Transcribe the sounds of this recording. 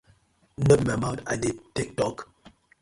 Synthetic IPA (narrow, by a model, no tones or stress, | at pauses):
nəbmamãtadetik̚tɔk